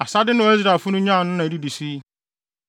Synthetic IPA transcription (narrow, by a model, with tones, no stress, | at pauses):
a˨sa˦dɪ˦nʊ̃˦˨e˦zɾa˨fu˦nʊ̃˦ɲã˦˨nʊ̃˦nã˨di˦di˨si˦